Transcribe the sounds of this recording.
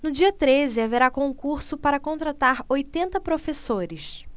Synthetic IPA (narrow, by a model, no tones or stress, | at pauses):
nʊd͡ʒiɐt̪ɾezɪaveɾakõkuɾsʊpaɾɐkõnt̪ɾat̪aɾojt̪ẽnt̪ɐpɾofesoɾɪʃ